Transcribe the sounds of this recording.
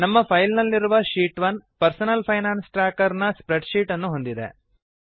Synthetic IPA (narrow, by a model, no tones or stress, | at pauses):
nɐmːɐpʰɐjlnɐlːiɾuʋɐʃiːʈʋɐnpɐɾsɐnɐlpʰɐjnaːnsʈɾaːkɐɾnɐspɾeɖʂiːʈɐnːuɦo̞nd̪id̪ḛ